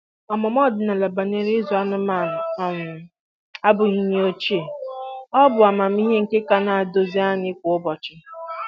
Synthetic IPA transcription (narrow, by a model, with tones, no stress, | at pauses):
ɔ˨mɔ˨mɔ˦˨dɪ˨na˨la˨ba˨ne˨ɾɪ˦zu˨a˦nʊ˦ma˦˨nʊ˨ɔ˨ŋʊ˨ | a˦bʊ˨ɣi˦ɲe˦o˦t͡ʃi˦e˨ɔ˦bʊ˨a˨ma˨m̩˦i˦ɦe˦ŋ̩˨ke˦ka˦na˨a˨do˨zi˦a˦ɲɪ˦kʷʊ˨ʊ˦bɔ˨t͡ʃɪ˦